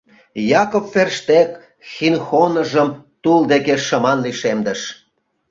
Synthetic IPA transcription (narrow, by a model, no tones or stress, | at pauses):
jɑkofːerʃt̪ek | xinxonə̆ʒəmt̪uld̪ekeʃə̆mɑnliʃemd̪ə̆ʃ